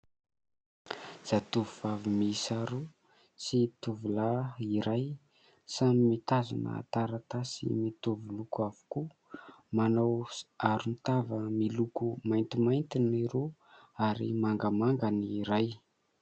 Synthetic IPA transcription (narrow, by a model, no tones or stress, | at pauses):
z̥at̪uvuvavimisaɾu | sit̪uvulaiɾaj | samimit̪aza̰nə̰t̪aɾat̪asḭmit̪uvulukuavu̥ku | manawaɾunt̪avəmilukumajnt̪imajnt̪iniɾo | aɾḭmaŋɡamaŋɡaniɾaj